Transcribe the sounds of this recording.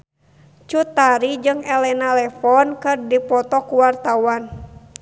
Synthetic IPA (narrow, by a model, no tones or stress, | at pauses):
t͡ʃut̪aɾid͡ʒɨŋɛlɛnalɛfɔnkɨrdipɔt̪ɔkuwart̪awan